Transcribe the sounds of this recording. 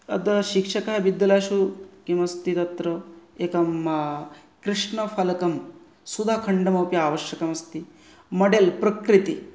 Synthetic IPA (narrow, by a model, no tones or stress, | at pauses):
ɐ̰d̪ɐʃikʂɐkɐɦɐbid̪ːɐlaːʃukimɐst̪it̪ɐt̪ɾɐekɐm | kɾiʂɳɐfʰɐlɐkɐm | sud̪ʱakʰɐɳɖɐmɐwpjɐaːʋɐʃjɐkɐmɐst̪i | mɐɖelpɾɐkɾit̪i